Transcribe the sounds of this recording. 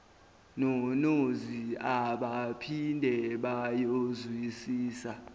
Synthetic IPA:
nɔnoziaɓapʰindʱɛɓajozwisiːsa

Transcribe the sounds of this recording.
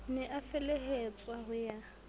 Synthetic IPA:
nɛʔafɛlɛɦet͡sʼwaɦʊja

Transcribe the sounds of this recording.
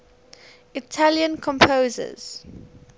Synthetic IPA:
itʰaljə̃nkʰɔ̃mpʰoːzə̰z̥

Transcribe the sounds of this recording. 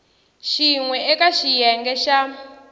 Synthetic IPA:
ʃiŋwɛʔɛkaʃijɛŋɡɛʃa

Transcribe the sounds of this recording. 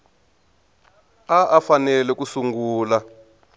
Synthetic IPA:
aʔafanɛlɛkusuŋɡuːla

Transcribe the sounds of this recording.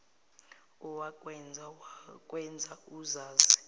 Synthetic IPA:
ɔwakʼwɛnd͡zʱakʼwɛnd͡zʱauzaːzi

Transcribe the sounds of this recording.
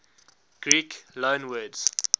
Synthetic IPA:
ɡ̥ɹiːklõːnwɜːdz̥

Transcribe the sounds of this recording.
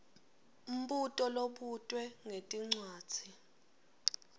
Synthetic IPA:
um̩ɓutʼɔloɓutʼwɛŋetʼiŋ͡ǀwḁːd͡z̥ʱi

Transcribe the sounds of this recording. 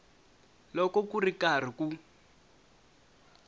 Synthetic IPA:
lɔkɔkurikar̤iku

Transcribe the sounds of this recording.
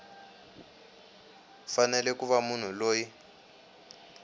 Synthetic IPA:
fanɛlɛkuβamun̤uloːji

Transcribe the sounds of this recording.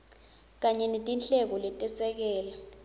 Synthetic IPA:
k̬aɲɛnetʼint͡ɬʼɛk̬ɔlɛtʼɛsɛk̬ɛːla

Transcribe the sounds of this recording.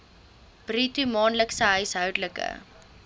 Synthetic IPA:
b̥ritumɑːnləksəɦœɥsɦœwdləkə̰

